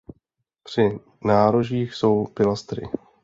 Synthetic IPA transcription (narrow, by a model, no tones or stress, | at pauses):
pr̝̥ɪ | naːɾoʒiːxso̞wpɪlast̪ɾɪ̰